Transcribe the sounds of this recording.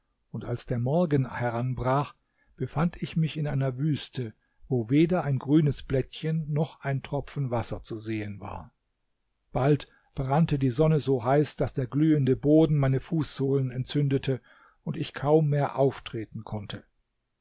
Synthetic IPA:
ʊntalsd̥eːɐmɔɐɡənhɛʁanbʁaːχ | b̥əfantʰɪçmɪçɪnʔaɪnɐvyːstʰə | voːveːdɐaɪnɡʁyːnəsb̥lɛtçənːɔχʔaɪntʁ̥ɔpp͡fn̩vasɐt͡suzeːənva̰ːɐ | b̥alt | b̥ʁantədiːzɔnəzoːɦaɪsd̥asd̥eːɐɡlyːəndəboːdn̩maɪnəfuːsz̥oːlənɛntt͡sʏndətʰə | ʊntɪçkʰaʊmːeːɐʔaʊftʁ̥eːtn̩kʰɔntʰə

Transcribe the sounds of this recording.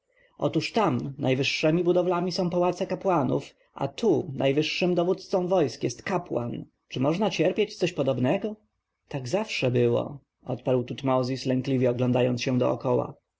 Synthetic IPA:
ʔɔ̰t̪uʂt̪amnajvɘʂːɛmʲibud̪ɔvlamʲisɔ̃w̃pawat̪sɛkapwanṵf | ʔa̰t̪ʰunʔajvɘʂːɘmd̪ɔvut̪t̪sɔ̃w̃vɔjskjɛst̪kapwa̰n | t͡ʂɘmɔʐnat͡ɕɛɾpʲjet͡ɕt̪sɔɕpɔd̪ɔbnɛɡɔ | t̪aɡzafʂɛbɘwɔ̰ | ɔ̰t̪paɾwt̪ut̪mɔzʲislɛŋklʲivʲjɛɔɡlɔnd̪ajɔnt̪sɕɛ̃d̪ɔ̰ɔ̰kɔwa̰

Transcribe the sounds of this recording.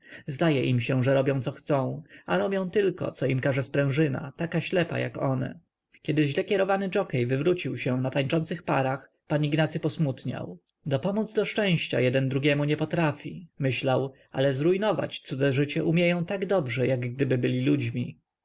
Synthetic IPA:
zd̪ajɛʔimɕɛʐɛɾɔbʲjɔ̃w̃t̪sɔxt̪sɔ̃w̃aɾɔbʲjɔ̃w̃t̪ɘlkɔ̰t̪sɔimkaʐɛspɾɛ̃w̃ʐɘna̰t̪akaɕlɛpa̰ja̰kɔnɛ̰ | kʲɛd̪ɘʑlɛkʲɛɾɔvanɘd͡ʐɔkɛjvɘvɾut͡ɕiwɕɛnat̪aɲt͡ʂɔnt̪sɘxpaɾax | paɲiɡnat̪sɘpɔsmut̪ɲa̰w | d̪ɔpɔmud̪zd̪ɔʂt͡ʂɛ̃w̃ɕt͡ɕa̰jɛd̪ɛnd̪ɾuɡʲɛmuɲɛpɔt̪ɾafʲimɘɕlawʔa̰lɛzɾujnɔva̰t͡ɕt̪sud̪ɛʐɘt͡ɕɛʔumʲjejɔ̃w̃t̪aɡd̪ɔbʐɛjaɡɡd̪ɘbɘbɘlʲilud͡ʑmʲi

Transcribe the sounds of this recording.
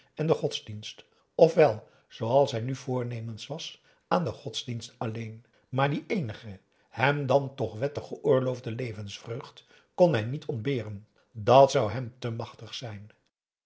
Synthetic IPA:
ɛndəχɔtzdinst | ɔfʋɛlˠ | z̥owɑlˠsɦɛjnyvʊːɹnejmənsʋɑs | ʔaːndəχɔtzdinstɑlejn | maːɹdiʔejnəχə | hɛmdɑntɔχʋɛtəχəʔʊːɹlowvdəlejvənsfrøːχt | kɔnɦɛjnitʰɔndbɪːrən | dɑtsʌwɦɛmtəmɑχtəχsɛjn

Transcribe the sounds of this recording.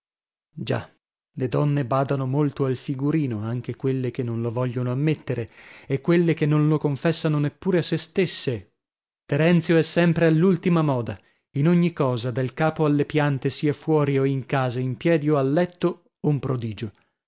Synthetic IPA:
d͡ʒa̰ | led̪ɔnːebaːd̪anomolt̪oalfiɡuɾiːnoaŋk̟ekwelːekenːõnlovɔʎːonoamːet̪ːeɾeekːwelːekenːonlokoɱfɛsːanonepːuːɾeasːest̪esːe | t̪eɾɛnt̪sjoɛsːɛmpɾealːult̪imamɔːd̪a | inoɲːikɔːzad̪elkaːpoalːepjant̪esiːafwɔːɾioiŋkaːzaimpjɛːd̪ioalːɛt̪ːo | oumpɾod̪iːd͡ʒo

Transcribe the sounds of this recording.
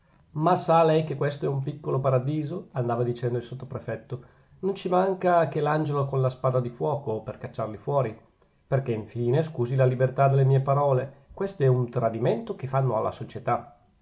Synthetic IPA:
masalɛjkekːwest̪oɛumpikːolopaɾad̪iːzoand̪aːvad̪it͡ʃɛnd̪oilsot̪ːopɾefɛt̪ːo | nont͡ʃimaŋkakeland͡ʒelokonlaspaːd̪ad̪ifwɔːkoperkat͡ʃːarlifwɔːɾi | perkeiɱfiːneskuːzilalibert̪ad̪elːemiːepaɾɔːlekwest̪oɛunt̪ɾad̪iment̪okefanːoalːa̰sot͡ʃet̪a

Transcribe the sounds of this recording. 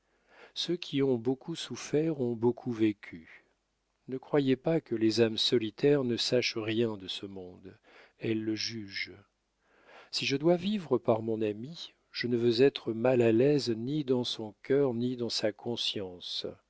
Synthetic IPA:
søkʲʰiɔ̃bokusufɛʁɔ̃bokʰuvekʲʰy | nəkχwajepakəlezamsɔlit̪ʰɛʁnəsaʃʁjɛ̃d̪əsəmɔ̃d̪ | ɛlːəʒyʒ | siʒəd̪wavivʁəpaʁmɔ̃nami | ʒ̥ənəvøzɛt̪χəmalalɛznid̪ɑ̃sɔ̃kʲœʁnid̪ɑ̃sakʰɔ̃sjɑ̃s

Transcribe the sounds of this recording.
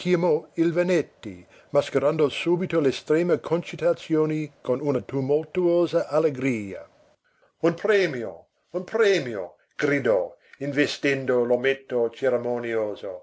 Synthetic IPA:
kʰimoilvenɛt̪ːi | maskeɾand̪osuːbit̪olest̪ɾeːməkʰont͡ʃit̪at̪sjoːnikonunɐt̪umolt̪uoːzɐʔaleɡɾiːɐ̰ | unpɾɛːmjo̰ | unpɾɛːmjo̰ | ɡ̥ɾid̪ɔinvest̪ɛnd̪olomet̪ːot͡ʃeɾemonjoːzo

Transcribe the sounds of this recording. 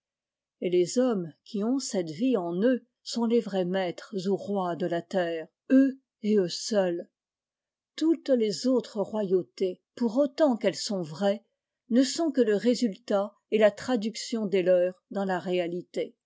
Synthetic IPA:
elezɔmkʲʰiɔ̃sɛt̪viɑ̃nø | sɔ̃levʁɛmɛt̪χzuʁwad̪əlat̪ɛːʁ | ø | eøsœl | t̪ut̪lezot̪χəʁwajot̪e | puʁot̪ɑ̃kɛlsɔ̃vʁɛ | nəsɔ̃kələʁezylt̪a | elat̪χad̪yksjɔ̃d̪elœːʁd̪ɑ̃laʁealit̪e

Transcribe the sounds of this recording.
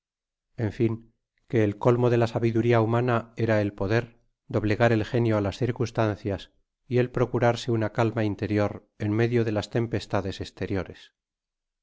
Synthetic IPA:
e̞ɱfiŋ | ke̞ːlko̞lmo̞ðe̞lasaβiðuɾiaumanae̞ɾaelpo̞ðe̞ɾ | d̪o̞βle̞ɣaɾe̞lxe̞njo̞alasθiɾkust̪an̟θjas | ie̞lpɾo̞kuɾaɾseunakalmaint̪e̞ɾjo̞ɾ | e̞nme̞ðjo̞ðe̞last̪e̞mpe̞st̪aðe̞se̞st̪e̞ɾjo̞ɾes

